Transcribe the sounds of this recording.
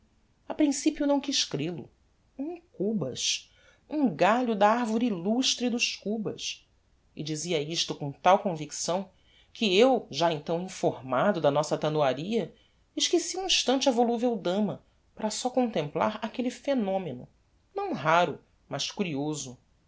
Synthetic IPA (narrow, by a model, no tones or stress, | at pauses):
ɐpɾĩsipjʊnɐ̃w̃kiʃkɾelʊ̰ | ũkubɐ̰ʃ | ũɡaʎʊd̪ɐaɾvoɾiiluʃt̪ɾɪd̪ʊʃkubɐ̰s | ɪd͡ʒiziɐiʃt̪ʊkõt̪awkõviksɐ̃w̃ | kɪewʒaẽnt̪ɐ̃w̃ĩfoɾmad̪ʊd̪ɐnɔsɐt̪ɐnuaɾiɐ | ɪʃkesiũĩʃt̪ɐ̃nt͡ʃɐvoluvewd̪ɐ̃mɐ | paɾɐsɔkõnt̪ẽmpla̰ɾakelifenõmenʊ̰ | nɐ̃w̃ɦaɾʊ | mɐʃkuɾiozʊ